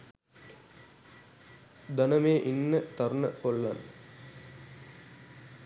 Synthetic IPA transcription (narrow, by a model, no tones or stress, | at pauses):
d̪ɐnəmeːʔinːət̪ɐɾunəkolːan